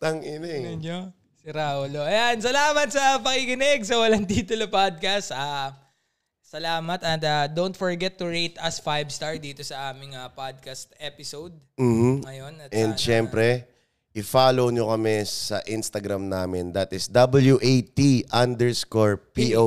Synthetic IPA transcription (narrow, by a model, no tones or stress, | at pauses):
t̪ɐŋʔɪnɛɛɲo | sɪɾaoloʔɐjansɐlaːmɐt̪̚sɐpɐkɪkɪnɪɡ̚sɐwɐlɐnd̪iːt̪olɐpad̪̚kɐst̪a | sɐlaːmɐt̪ɐt̪ɐd̪ownt̪foɹɡɛt̪ːʊɹejt̪ɐsfajbst̪aɹd̪iːt̪o̞sɐʔaːmɪŋɐpad̪̚kɐst̪̚ʔɛpɪsowd̪̚m̩ːh̩ŋɐjonɐt̪ʔɛnd̪ʃɛmpɾɛ | ʔɪfaːlowɲokɐmɛsɐʔɪnst̪ɐɡɾamnaːmɪnd̪ɐt̪ɪsd̪ɐbɐljuʔejt̪iʔɐnd̪ɛɹskoɹpiʔo